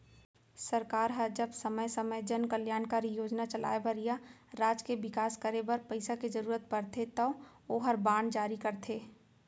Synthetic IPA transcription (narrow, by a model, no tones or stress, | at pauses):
sɐɾkaːɾɦɐɾd͡ʒɐbsəməjsəməjd͡ʒənkəljaːnkaɾijoːd͡ʒnat͡ʃɐlʔa̰ːebəɾijaɾaːd͡ʒkebɪkaːskəɾebɐɾpəɪsaked͡ʒɐɾuːɾət̪̚pɐɾt̪ʰet̪ɐoːɦɐɾbaːɳd͡ʒaːɾikɐɾt̪ʰeː